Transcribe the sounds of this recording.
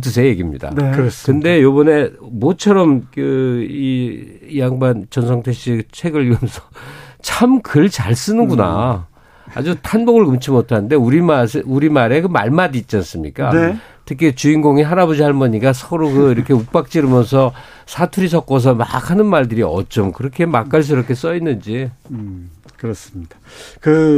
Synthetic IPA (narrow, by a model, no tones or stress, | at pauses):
t̬ʰɯs̬ʰe̞je̞ɡimɲḭda̰nkɯnde̞jobʌne̞mot͡ɕʰʌɾʌmkɯiiaŋbant͡ɕʌnsʰʌŋtʰeɕ͈it͡ɕʰwe̞ɡɯɭːiɡʌmjʌnsʰʌt͡ɕʰamkɯɭt͡ɕaɭs͈ɯnɯnɡuna̰ | a̰d͡ʑutʰanbʌɡɯɭkɯmt͡ɕʰimotʰanɯnde̞uɾimaseuɾimaɾe̞kɯma̰ɭmadiːt̚t͡ɕ͈ans͈ɯmɲḭk͈ane | tʰɯkʰet͡ɕuinɡoŋiɦaɾabod͡ʑiɦaɭmʌɲiɡasʰʌɾokɯiɾʌkʰe̞uk̚p͈ak̚t͡ɕ͈iɾɯmjʌns̬ʰʌ | sʰatʰuɾis̬ʰʌk̚k͈ʌs̬ʰʌma̰kʰanɯnmaɭdɯɾiʌ̰t͡ɕ͈omkɯɾʌkʰe̞mak͈aɭs̬ʰɯɾʌkʰe̞s͈ʌinːɯnd͡ʑi | kɯɾʌs͈ɯmɲidakɯ